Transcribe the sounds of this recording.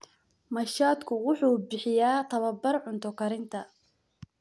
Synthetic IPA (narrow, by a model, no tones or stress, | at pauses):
mɐʃaːd̪kʰʊwʊħuːbɪħɪjaːt̪ʰɐβɐbɐrʕʊnt̪ʰɔkʰɐɾɪnt̪ʰɐ